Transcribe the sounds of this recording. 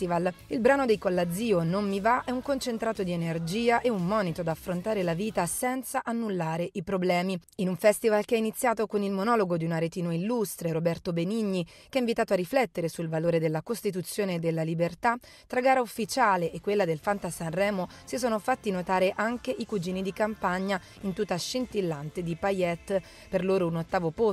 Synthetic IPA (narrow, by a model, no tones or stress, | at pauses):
t̪ivalilbɾaːnod̪ejkolːad̪zːiːonomːivaʔɛuŋkont͡ʃent̪ɾaːt̪od̪ienerd͡ʒiːaʔeumːɔːnit̪od̪aːfːɾont̪aːɾelaviːt̪asɛnt̪saʔanːulːaːɾeʔipɾoblɛːmiinuɱfɛst̪ivalkeainit̪sːjaːt̪okonilmonɔloɡod̪iunaɾet̪iːnoilːust̪ɾeɾobɛrt̪obeniɲːik̟eaĩɱvit̪aːt̪oarːiflɛt̪ːeɾesulvaloːɾed̪elːakost̪it̪̬ut̪sːjoːned̪elːalibert̪at̪ːɾaɡaːɾaufːit͡ʃaːleʔekːwelːad̪elfant̪asanrɛːmo | sisoːnofat̪ːinot̪aːɾeʔaŋkeʔikud͡ʒiːnid̪ikampaɲːa | int̪ut̪ːaʃint̪ilːant̪ed̪ipajɛt̪ː | perloːɾounot̪ːaːvopo